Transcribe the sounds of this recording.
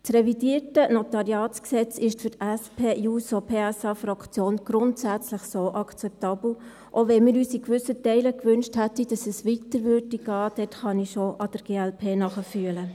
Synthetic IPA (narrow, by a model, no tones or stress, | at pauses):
trɛvidiːɾtənotɑɾiɑːsksɛt͡sɪʃtfyɾtæspʰeːʔuːsopʰeːɛsɑfɾɑkt͡sjoːnɡ̥ɾʊntsæt͡sləχsoːʔɑkt͡sɛp̚tɑːb̥l̩ | ʔoʋɛnmiːɾyːsikʋʏsətɛɪləkʋʏnʃthætid̥ɑsɛsʋitəɾʋʏɾdiɡ̥ɑːd̥ɛtχɑniʃoʔɑd̥əɾɡ̥eːælpʰeːnɑχəfyələ